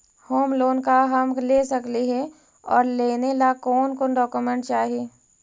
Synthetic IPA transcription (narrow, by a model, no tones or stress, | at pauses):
hoːmloːnkaɦɐmɡleːsəkliɦɛ | ɔːɾleːnelakɔːnkoːnɖɔːkumə̃ɳʈt͡ʃaːɦieː